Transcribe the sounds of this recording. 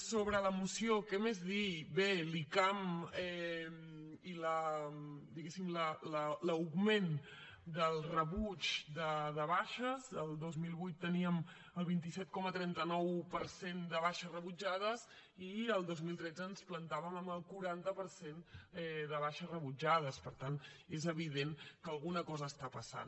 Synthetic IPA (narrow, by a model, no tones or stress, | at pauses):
soβɾələmusiokɛmezðibelikamɛm | ilə | d̪iɣesimlələləwɣmen | d̪əlˠrəβut͡ʃd̪əðəβaʃəzəlˠd̪ozmilˠβujt̪ːəniəm | əlˠβ̞int̪isɛt̪̚kɔmət̪ɾɛnt̪ənɔwpəɾsend̪əβaʃərəβud͡ʒað̞əz | iəlˠd̪ozmilˠt̪ɾɛd͡zəːnsplənt̪aβəməməlˠkuɾant̪əpəɾsenɛðəβ̞aʃərəβud͡ʒað̞əspəɾt̪anezəβ̞iðenkəlˠɣunəkɔzəːst̪apəsa̰n